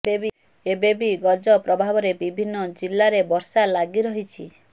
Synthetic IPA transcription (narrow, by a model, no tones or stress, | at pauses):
bebi | ebebiɡɔd͡ʒɔpɾɔbʱabɔɾebibʱinːɔd͡ʒilːaɾebɔɾsalaɡiɾɔɦit͡ʃʰi